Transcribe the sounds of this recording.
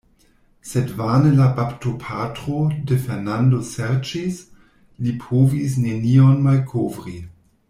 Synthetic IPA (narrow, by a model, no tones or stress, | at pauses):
sedvanelapaptopʰatɾodefeʁnandoseɾt͡ʃis | lipʰovis̬nenionmalkʰovɾi